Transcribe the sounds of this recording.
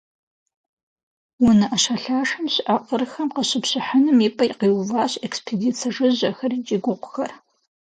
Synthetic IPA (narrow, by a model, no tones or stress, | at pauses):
wʊnɨʔɐʃaɬaːʂɐmɕʔaqʼərxɐmqəɕɪpɕɪħanɨmipʼɐjqiːwvaːɕekspʰediːt͡sʰɐʐɨʑɐxɐrit͡ʃʼɪɡʷʊqʷʊxɐr